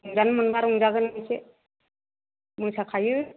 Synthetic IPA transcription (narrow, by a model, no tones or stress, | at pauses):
uŋzanmɯnbaɾuŋzaɡɯnmɯjse | mujsakʰajɯ